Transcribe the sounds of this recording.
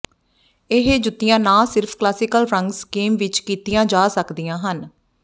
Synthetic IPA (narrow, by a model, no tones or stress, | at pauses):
ɪɦed͡ʒʊt̪ːijãːnãːsɪɾpʰklaːsɪkəlpʰɾəŋɡsɡeːmʋɪt͡ʃkiːt̪ijãːd͡ʒaːsəkd̪ijãːɦən